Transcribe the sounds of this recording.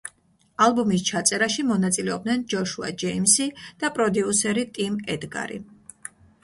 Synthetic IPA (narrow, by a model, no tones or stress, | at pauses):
alˠbumis̬t͡ʃʰat̪sʼɛɾaʃimɔnat̪sʼilɛɔb̚d̪nɛnd͡ʒɔʃua̰d͡ʒɛimsid̪̥apʼɾɔd̪iusɛɾit̪ʼimɛd̪ɡa̰ɾḭ